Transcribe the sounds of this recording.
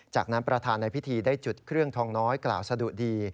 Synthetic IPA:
t͡ɕa̰ː˨˩k̚na˦˥npɾa˧t̪ʰaː˧nːa˧jpʰi˦˥t̪ʰiː˧daː˥˩jt͡ɕu˨˩t̪̚kʰɾɯ˥˩əŋt̪ʰɔː˧ŋnɔː˦˥jkla̰ː˨˩wsa˧du˨˩ək̚diː˧

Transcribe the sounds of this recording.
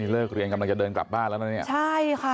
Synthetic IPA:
iː˧lɤː˥˩k̚ɾi˧ənka˧mla˧ŋt͡ɕa˨˩dɤː˧nkla̰˨˩p̚baː˥˩nlɛː˦˥wna˧˥ni˥˩t͡ɕʰa˥˩jkʰa˥˩

